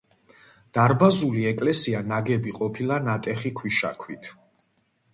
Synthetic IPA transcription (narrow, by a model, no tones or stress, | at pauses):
d̪̥aɾbazuliɛkʼlɛsianaɡɛbiqʼɔpʰilˠanat̪ʼɛχikʰwiʃa̰kʰwit̪ʰ